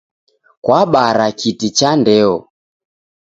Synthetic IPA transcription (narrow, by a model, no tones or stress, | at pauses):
kwaɓaɾakitit͡ʃandɛɔ